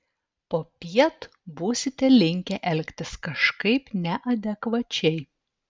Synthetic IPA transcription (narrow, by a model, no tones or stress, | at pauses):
poːpʲiɛt̪ | buːsʲɪt̪ʲɛlʲɪŋʲkʲɛʔɛlʲkʲt̪ʲɪskɐʃkɐɪpnʲɛʔɐd̪ʲɛkʋɐt͡ʃʲɛɪ